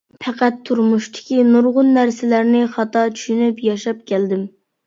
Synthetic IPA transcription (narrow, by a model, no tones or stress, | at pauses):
pʰɛqæt̪ʰːuɾmuʃt̪ʰɪ̥kʲinuɾʁʊnːæɾsɪlæɾnɪχɑt̪ɑt͡ʃʰy̥ʃynypjɑʃɑp̚kʲɛld̪ɪm